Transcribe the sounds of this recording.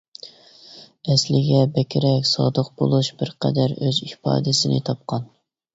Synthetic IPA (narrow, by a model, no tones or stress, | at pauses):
ɛslɪɡʲɛbɛkʲʰɪɾɛkʲsɑd̪əqbolˠuʃb̥ɪɾqʰɛ̰d̪æɾøzihpɑ̰ːd̪ɪsɪnɪ̰t̪ʰɑp̚qʰɑn